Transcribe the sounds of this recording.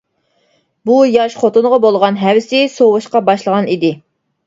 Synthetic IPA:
bujɑʃχot̪ʊnʁɑbolˠʁɑnɦæwɪsɪsowɨʃqɑbɑʃlˠəʁɑnid̪ɪ

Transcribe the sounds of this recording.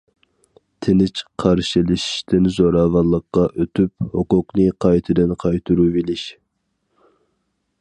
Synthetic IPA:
t̪ʰɪnɪt͡ʃqʰɑɾʃilɪʃi̥ʃt̪ɪnzoɾɑːvɑnlˠːəqːɑʔøt̪ʰyphoqʊqnɨqʰɑjt̪ʰɨd̪ɨnqʰɑjt̪ʰuɾuvelɪʃ

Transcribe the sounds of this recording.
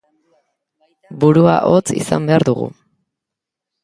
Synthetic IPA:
buɾua̰ʔo̞t͡sḭsambe̞aɾðuɣṵ

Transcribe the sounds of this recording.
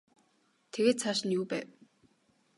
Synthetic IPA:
t̪ʰeɣeːt̪t͡sʰaʃɪ̆njuːpæːw

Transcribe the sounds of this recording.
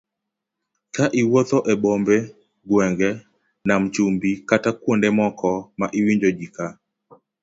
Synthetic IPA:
kaʔiwɔt̪ɔʔɛbɔmbɛ | ɡwɛŋɡɛ | nam̩t͡ʃumbikatakwondɛmɔkɔmaʔiwiɲd͡ʒod͡ʒika

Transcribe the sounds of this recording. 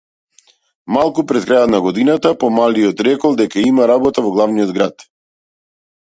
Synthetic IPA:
malˠkupɾɛt̪̚kɾajɔt̪naɡɔd̪inat̪apɔmaliɔt̪ɾɛkɔlˠd̪ɛkaimaɾabɔt̪avɔɡlˠavnijɔd̪ɡɾat̪

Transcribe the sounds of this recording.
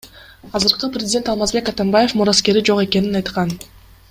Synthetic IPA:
ɑzɯɾqɯprʲɪzʲdʲe̞nt̪ɑlˠmɑzbe̞kat̪anbaje̞fmuɾaske̞ɾid͡ʒo̞qe̞ke̞ninɑjt̪qɑn

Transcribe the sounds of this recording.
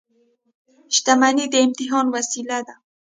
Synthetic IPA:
ʃt̪amanid̪əɪmt̪iɦɑnwasilad̪a

